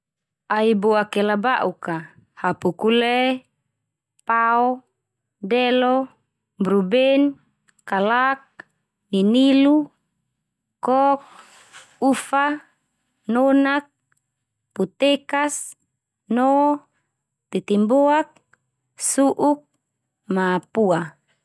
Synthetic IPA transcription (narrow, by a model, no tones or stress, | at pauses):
aiboakɛlabaʔuka | hapukulɛ | paɔ | dɛlɔ | bɾubɛn | kalak̚ | ninilu | kɔk̚ | ufa | nonak̚ | put̪ekas | nɔ | t̪it̪imbɔak̚ | suʔuk̚ | mapua